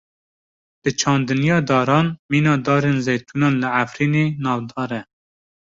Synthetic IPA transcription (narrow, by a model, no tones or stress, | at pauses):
b̥ɨt͡ʃʰɑːnd̪ɨnijɑːd̪ɑːɾɑːnmiːnɑːd̪ɑːɾenzejt̪ʰuːnɑːnlɨʕafɾiːneːnɑːvd̪ɑːɾɛ